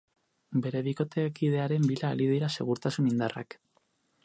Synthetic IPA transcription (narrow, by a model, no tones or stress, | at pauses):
be̞ɾe̞βiko̞t̪e̞kið̞e̞aɾe̞mbilaːlið̞iɾase̞̰ɣ̞uɾt̪asunind̪ara̰k